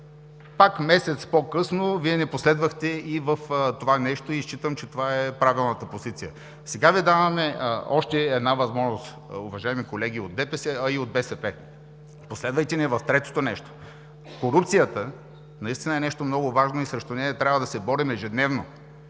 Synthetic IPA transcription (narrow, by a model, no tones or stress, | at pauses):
pakmɛsɛt̪spokɤsnoviɛnɛposlɛd̪vəxt̪ɛivəft̪ovanɛʃt̪oist͡ʃit̪əmt͡ʃɛt̪ovaɛpɾavilˠnɐt̪əpozit̪sijə | sɛɡaviɛd̪avɐmɛɔʃt̪ɛːd̪navɐzmɔʒnost̪ | ʊvɐʒaɛmikolɛɡ̟iod̪̚bɛpɛsɛɐiod̪̚bɛsɛpɛ | poslɛd̪vəjt̪ɛnɛvɐft̪ɾɛt̪o̥t̪onɛʃt̪o̥ | koɾup̚t̪sijət̪ə | nɐist̪inəɛnɛʃt̪omnɔɡʊvaʒnoisɾɛʃt̪onɛɐt̪ɾʲavəd̪ɐsɛbɔɾimɛʒɛd̪nɛvno